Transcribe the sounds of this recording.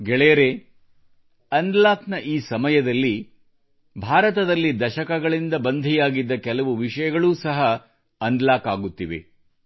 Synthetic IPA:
ɡɛɭɛjɐɾe | ɐnd̪laːknɐʔiːsɐmɐjɐd̪ɐlːi | bʱaːɾɐt̪ɐd̪ɐlːid̪ɐʃɐkɐɡɐɭind̪ɐbɐnd̪ʱijaːɡid̪ːɐkɛlɐʋuʋiʂɐjɐɡɐɭuːsɐɦɐː | nd̪laːkaːɡut̪ːiʋe̞̰

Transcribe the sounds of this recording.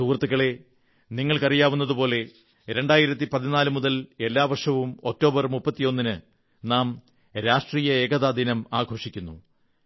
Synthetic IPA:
suːrɐt̪ːɨɣɐɭe̞ | niŋːɐɭkɐrijaːʋunːɐðupo̞ːle̞ | ɾe̞ɳɖaːjiɾɐt̪̬ːipɐðinaːlɨmuðɐle̞lːaːʋɐrʂɐʋumo̞k̚tːo̞ːbɐrmupːɐt̪ːijo̞nːinɨ | naːm | ɾaːʂʈriːjɐeːɡɐðaːd̪inɐmaːɡʱo̞ːʂikʲːunːu

